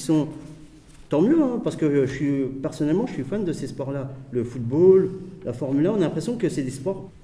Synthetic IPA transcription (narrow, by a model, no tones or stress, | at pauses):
sɔ̃ | t̪ɑ̃mjøɛ̃paʁsəkəʒəsɥipɛʁsɔnɛlmɑ̃ʒəsɥifand̪əsespwaʁlaləfut̪̚bollafɔʁmylaɔ̃nalɛ̃pχesjɔ̃kəsɛd̪espwaʁ